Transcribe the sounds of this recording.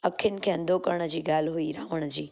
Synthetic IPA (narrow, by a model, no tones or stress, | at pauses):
əkʰːɪnkʰɛ̃nd̪okəɾɳ̃əd͡ʒiɡaːlɦuiɾaʋəɳ̃d͡ʒiː